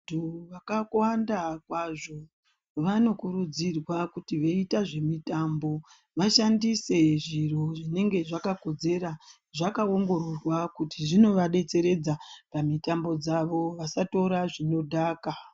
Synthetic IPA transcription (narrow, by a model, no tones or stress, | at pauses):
duʋakakwandakwaʐo̞ | ʋano̞kuɾud͡zirwakutiʋeitaʐe̞mitambo̞ | ʋaʃandise̞ʐiroʐine̞ŋɡe̞ʐakako̞d͡ze̞ɾa | ʐakaoŋɡo̞ɾorwakutiʐino̞ʋaɗe̞t͡se̞ɾe̞d͡zapamitambo̞d͡zaʋo̞ʋasato̞ɾaʐino̞dʱaːka